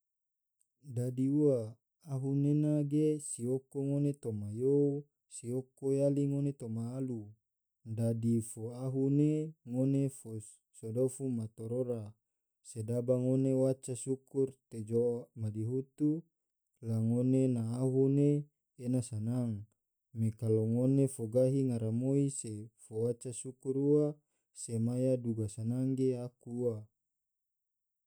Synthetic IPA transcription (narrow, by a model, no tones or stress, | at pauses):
dadiuaː | ɦunenaɡesiokoŋonet̪omajou | siokojaliŋonet̪omaːlu | dadifoaɦuneŋonefo | sodofumat̪oɾoɾa | sedabaŋonewat͡ʃasukurt̪ed͡ʒomadiɦut̪u | laŋonenaːɦuneː | nasanaŋ | mekaloŋonefoɡaɦiŋaɾamoisefowat͡ʃasukuɾua | semajaduɡasanaŋɡeakuːa